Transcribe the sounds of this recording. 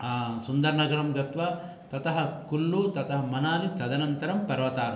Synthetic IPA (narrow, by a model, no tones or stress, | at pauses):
sund̪ɐɾnɐɡɐɾɐmɡɐt̪ʋɐ | t̪ɐt̪ɐɦɐkulːut̪ɐt̪ɐɦɐmɐnaːlit̪ɐd̪ɐnɐnt̪ɐɾɐmpɐɾʋɐt̪aːɾɐ